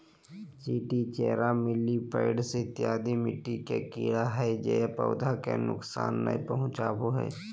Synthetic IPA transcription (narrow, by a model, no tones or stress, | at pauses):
t͡ʃiːʈit͡ʃɛːɾamɪlipəɪɖset̪jaːd̪imɪʈːikekiːɽaɦɛd͡ʒḛːpəʊd̪ʱakḛnʊ̰ksa̰ːnːa̰ipɐɦʊ̃t͡ʃaːboɦɛ̰ː